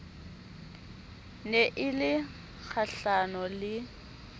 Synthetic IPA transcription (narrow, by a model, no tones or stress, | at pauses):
neʔɪlɪ | k͡xʰaɬanɔlɪ